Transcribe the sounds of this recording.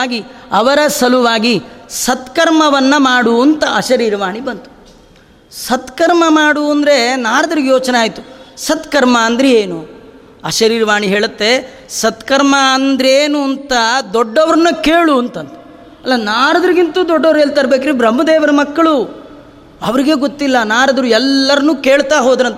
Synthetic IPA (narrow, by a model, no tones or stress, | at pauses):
ɡiɐʋɐɾɐsɐluʋaːɡisɐt̪kɐɾmɐʋɐnːɐmaːɽuɐnt̪ɐɐʃɐɾiːɾɐʋaːɳibɐnt̪u̥ | sɐt̪kɐɾmɐmaːɽuɐnd̪ɾe̞naːɾɐd̪ɐɾiɡejoːt͡ʃneaːjt̪u̥sɐt̪kɐɾmɐːnd̪ɾeeːnu | ɐʃɐɾiːɾɐʋaːɳiɦeːɭɐt̪ːe̞ | sɐt̪kɐɾmɐɐnd̪ɾeːnuɐnt̪ɐd̪ɔɖːɐʋɐɾɐnːɐkeːɭuɐnt̪ɐnt̪ɐ̥ | ɐlːɐnaːɾɐd̪ɐɾiɡint̪uːd̪ɔɖːɐʋɾelt̪ɐɾɐbeːk̬iɾibɾɐmːɐd̪ɛːʋɐɾɐmɐkːɐɭu | ɐʋɐɾiɡe̞ːɡot̪ːilːɐnaːɾɐd̪ɐɾuɛlːɐɾɐnuːke̞ːɭt̪aːɦoːd̪ɾɐnt̪